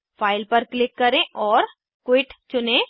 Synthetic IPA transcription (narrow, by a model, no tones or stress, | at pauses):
fʰaːɪlpɐɾklɪkːɐɾẽʔɔːɾ | kwɪʈt͡ʃʊnẽ